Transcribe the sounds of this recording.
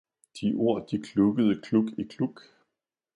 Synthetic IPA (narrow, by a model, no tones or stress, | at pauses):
d̥iʔo̝ɐ̰d̥ikʰluɡ̥əð̞̩ˠəkʰluɡ̥ikʰluɡ̥